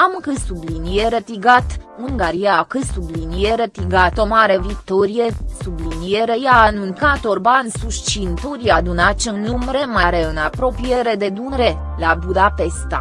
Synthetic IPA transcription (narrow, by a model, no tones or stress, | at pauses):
amɨŋkɨsublinijeɾət̪iɡat̪uŋɡaɾijakɨsublinijeɾət̪iɡat̪o̞maɾe̞vik̚t̪oɾijesublinijeɾe̞jaːnunkat̪orbansuʃt͡ʃint̪oɾiad̪unat͡ʃenumɾe̞maɾe̞ɨnapɾo̞pije̞ɾe̞d̪e̞d̪unɾe̞ | labud̪apest̪a̰